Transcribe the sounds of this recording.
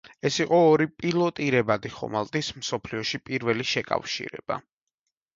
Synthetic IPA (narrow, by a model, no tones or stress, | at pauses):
ɛsiqʼɔːɾipʼilˠɔt̪ʼiɾɛbad̪iχɔ̰malˠt̪ʼismsɔpʰliɔʃipʼiɾvɛliʃɛkʼa̰fʃḭɾɛ̰b̥a̰